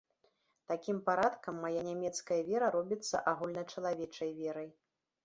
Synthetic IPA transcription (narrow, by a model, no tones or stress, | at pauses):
t̪akʲimpaɾat̪kɐmːajanʲamʲɛt̪skɐjɐvʲɛɾɐɾɔbʲit̪sːɐ̰ʔaɣulʲnɐt͡ʂɐlˠavʲɛt͡ʂɐjvʲɛɾɐj